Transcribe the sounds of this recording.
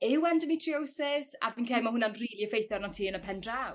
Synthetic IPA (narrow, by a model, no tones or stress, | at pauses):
ɪwandəmitʰriowsɪsa̰vinkʰeːlmahʊnanriːlˠiəfejθjɔrnatʰiːənəpʰɛndraw